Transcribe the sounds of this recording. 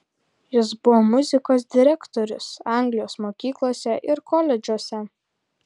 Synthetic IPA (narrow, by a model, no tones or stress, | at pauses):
jɪs̬bʊʋoːmʊzʲɪkoːs̬d̪ʲɪɾʲɛkt̪ɔɾʲʊsɑˑŋʲɡlʲɪjoːsmoːkʲiːklˠoːsʲɛʔɪɾkɔlʲɛd͡ʒʲuɔsʲɛ